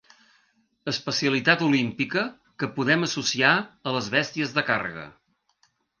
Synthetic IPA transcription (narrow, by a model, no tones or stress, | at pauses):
əspəsiəlit̪at̪ulimpikə | kəpuðɛməsusiaələzβɛst̪iəzðəka̰rə̰ɣə̰